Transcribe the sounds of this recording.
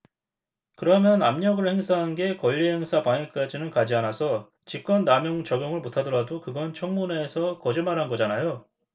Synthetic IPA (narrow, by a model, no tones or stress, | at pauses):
kɯɾʌmjʌnamɲʌɡɯɭhe̞ŋsʰaɦanɡe̞kʌʎːiɦe̞ŋsʰapaŋek̚k͈ad͡ʑinɯnkad͡ʑianasʰʌ | t͡ɕip̚k͈ʌnːamjʌŋt͡ɕʌɡjʌŋɯɭmotʰadʌɾadokɯɡʌnt͡ɕʰʌŋmune̞ːsʰʌkʌd͡ʑimaɾɦanɡʌd͡ʑanajo